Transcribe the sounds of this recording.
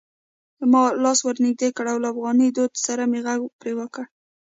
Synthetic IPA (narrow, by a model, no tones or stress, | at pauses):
d̪əmɑlɑswəɾnɪɡ̚d̪ekəɽawlaafɣɑnəd̪od̪saɾameɣaɡpɾewəkəɽ